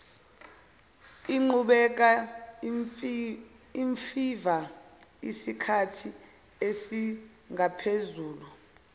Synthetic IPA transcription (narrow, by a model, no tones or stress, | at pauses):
iŋ͡ǃuɓɛk̬a | iɱfivaḭsikʰatʰi | esi | ŋapʰezuːlu